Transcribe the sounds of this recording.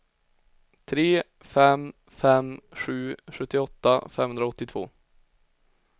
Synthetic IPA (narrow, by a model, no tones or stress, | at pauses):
t̪ʰɾeː | fɛm | fɛmɧʉ̟ːɧɵt̪ːɪɔt̪ːa̰fɛmhɵnd̪ɾaɔt̪ːɪt̪ʰvo̰ː